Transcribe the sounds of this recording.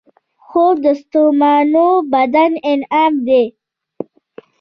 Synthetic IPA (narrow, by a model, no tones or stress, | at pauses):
xobd̪əst̪omɑnobad̪anɪnaːmd̪e